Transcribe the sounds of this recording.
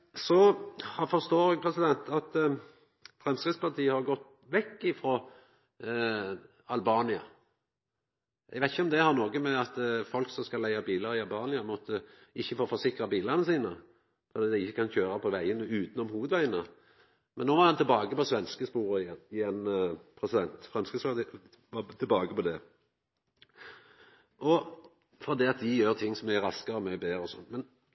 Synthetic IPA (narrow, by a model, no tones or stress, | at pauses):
sɔhɑfɔɾst̪oːɾɛɡ̚pʰɾɛsɪd̪ɛnt̪ʰɑt̪ | fɾɛmskɪd̪spɑʁt̪ʰiːəhɑɾɡɔt̪ː | ʋɛkːɪfɾɔ | ɑlbɑːnɪɑ̰ | ʔɛɡʋæɪt̪ɪçəɔmd̪ɛhɑɾnoːɡəmɛɑt̪fɔlksɔmskɑlːæɪɑbiːləɾɪɑlbɑːnɪɑmɔt̪ʰːəɪçːəfoːfɔɾsɪkɾɑbiːlɑʁnəsiːnə | fɔɾd̪iːd̪ɛɪɪçːəkʰɑnçøːɾɑpʰɔʋæɪənəʉːt̪n̩ɔmhuːʋəd̪ʋæɪənə | mɛnːoːʋɑɾhɑnt̪ʰɛlbɑːɡəpɔsʋɛnskəspuːɾəɪɪɛnpʰɾɛsɪd̪ɛnt̪fɾɑmskəsɑː | ʋɑt̪ʰɪlbɑːɡəpɔd̪ɛ | ʔɔ | fɔʁd̪iːɑt̪d̪ɪjøːʁt̪ʰɪŋːsɔmɛæɾɑskɑɾɔmɛbeːɾəɔsɔ̰nːmɛn